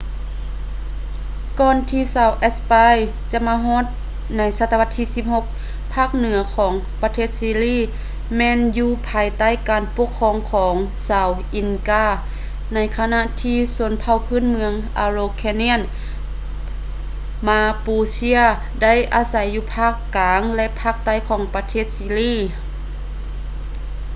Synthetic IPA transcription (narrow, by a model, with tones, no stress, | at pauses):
kɔː˧nt̪ʰiː˧saː˨˧wʔɛ˧˥spa˧j | t͡ɕa˧ʔmaː˧ɦɔː˧˥˨t̪̚ | na˧˥jsa˧t̪ːa˧a˧t̪ʰːiː˧˨si˧˥p̚ho˧k̚ | pʰaː˧˥˩k̚nɯ˩˦ɐkʰɔː˩˦ŋ | pa˧t̪ʰeː˥˩t̪̚siː˧liː˧˥˨ | mɛː˧njuː˧pʰaː˨˧jt̪a˥˨jkaː˨npo˧kʰːɔː˧˨ŋkʰɔː˩˨˦ŋsaː˨˧wʔi˨˩nkaː˧˥˩ | na˧˥jkʰa˧na˧ʔt̪ʰiː˧so˧˦npʰa˧˩wpʰɯː˧˥˨nmɯ˧əŋʔaː˧ɾoː˧kʰɛː˧ni˧˥ə˨n | maː˧puː˧si˧˥ə | da˥˨jʔaː˨˦sa˨˦jːuː˧pʰaː˧˥˩kːaː˨˦ŋlɛ˧ʔpʰaː˧˩k̚t̪a˧˩˨jkʰɔː˨˩˦ŋpa˧t̪ʰeː˧˩t̪̚siː˧liː˧˥˩